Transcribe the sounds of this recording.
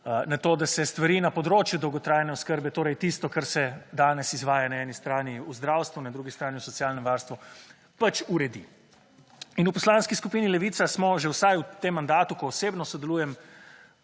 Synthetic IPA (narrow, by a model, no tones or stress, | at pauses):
nat̪oːd̪asɛst̪ʋaɾiːnapɔd̪ɾoːt͡ʃjud̪ɔwɡɔt̪ɾaːjnɛɔskəɾbɛt̪oːɾɛjt̪ist̪ɔkaɾsɛd̪aːnɛsizʋaːjanaɛnist̪ɾaːniuzd̪ɾaːwst̪ʋunad̪ɾuɡist̪ɾaːniusɔt̪sijaːlnɛmʋaːɾst̪ʋu | pat͡ʃuɾɛd̪ḭ | inupɔslaːnskiskupiːnilɛʋiːt̪sasmɔʒɛwsajut̪emːand̪aːt̪ukɔːseːbnɔsɔd̪ɛluːjɛm